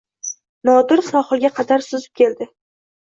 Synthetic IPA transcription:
nɒd̪ɪɾsɒχɨlˠɡʲaqʰɑd̪aɾsʊzɪ̥p̚kʲe̞ld̪ɪ

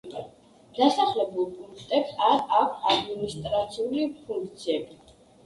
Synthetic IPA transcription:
d̪̥asaχlɛbulˠpʼuŋkʰt̪ʼɛpsaɾakʰad̪minist̪ʼɾat̪sʰiulipʰuŋkʰt̪sʰiɛbi

